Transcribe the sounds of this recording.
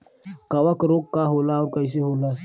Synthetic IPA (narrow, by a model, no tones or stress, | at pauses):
kawakəɾokːaɦolauɾkais̬ehola